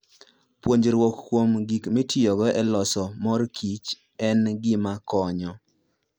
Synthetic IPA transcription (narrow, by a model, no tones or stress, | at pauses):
pwoɲd͡ʒeɾwokːwomɡikmɪtɪjɔɡɔʔɛlɔsɔmɔrkʰit͡ʃ | ɛnɡɪmakɔɲɔ